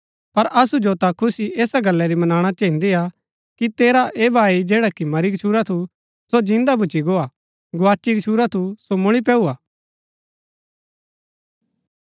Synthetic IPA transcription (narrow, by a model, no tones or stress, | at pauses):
pɐɾɐsud͡ʒot̪akʰʊsiʔeːsaɡɐlːɛɾimɐnaːɽ̃at͡ʃɐɦĩnd̪ia | kit̪eːɾaʔeːbʱaːid͡ʒeːɽakimɐɾiɡət͡ʃʰuːɾat̪ʰu | sod͡ʒɪ̃nd̪abʊt͡ʃiɡoːa | ɡʊaːt͡ʃːiɡt͡ʃʰuːɾat̪ʰusomʊɭ̃ip̬ɛːuaː